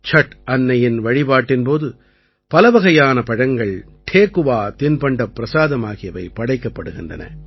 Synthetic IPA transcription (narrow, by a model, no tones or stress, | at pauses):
t͡ʃɐʈɐnːɐjɪnʋɐɻɪbaːʈːɪnpoːðɯ | pɐlɐʋɐɣɐjaːnɐpɐɻɐŋɡɐɭ | ʈʰeːkɯʋaːt̪ɪnpɐɳɖɐpːɾɐsaːðɐmaːɣɪjɐʋɐɪpɐɽɐɪkːɐpːɐɽɯɣɪndrɐnɐ̰